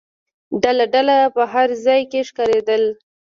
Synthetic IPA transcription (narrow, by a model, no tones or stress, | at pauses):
ɖalaɖalapəɦaɾzɑjkeʂkaɾed̪əl